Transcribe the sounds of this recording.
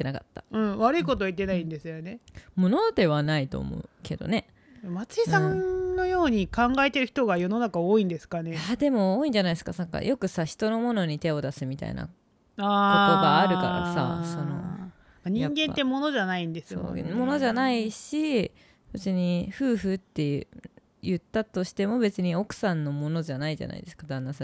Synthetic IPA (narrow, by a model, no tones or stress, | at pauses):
ik̪enaka̰t̪ːa̰ɯ̟̃βaɾɯ̟iko̞t̪oit̪ːe̞naĩnd̪esɨjonemo̞no̞d̪e̞βanait̪o̞̰ːmo̞̰ɯke̞d̪o̞̰ne̞ | mat͡sɨisãnno̞jo̞ːɲ̟ikãŋɡaet̪e̞ɾɯ̟çi̥t̪o̞ɡajo̞no̞nakaoːĩnd̪e̞sɨ̥kaneaːd̪e̞mo̞oːĩɲ̟d͡ʑanaiesɨ̥kasaŋka̰jo̞kɯ̟saçi̥t̪o̞no̞mo̞no̞ɲ̟it̪e̞o̞d̪asɨmʲit̪a̰ḭna̰ | aːko̞t̪o̞ɡaːɾɯkaɾa̰sa̰so̞no̞̰ | maɲ̟ĩãŋɡẽ̞nːe̞mo̞no̞ʑanaĩnd̪e̞sɨo̰ːmo̞no̞ʑanaiɕi | bɯt͡sɨɲ̟iɸɯ̟ːɸɯ̟t̪ːe̞j | jɯt̪ːat̪o̞ɕi̥t̪e̞mo̞be̞t͡sɨɲ̟io̞kɯ̟̥sãnːo̞mo̞no̞d͡ʑanaid͡ʑa̰na̰ḭd̪e̞sɨ̥kad̪ãnːasa